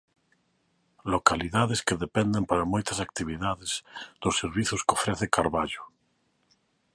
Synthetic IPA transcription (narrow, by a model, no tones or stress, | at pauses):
lokaliðaðeskeðepend̪empaɾamojt̪asak̚t̪iβ̞iðaðez̥ðosːeɾβiθʊskofɾeθekaɾβaʎʊ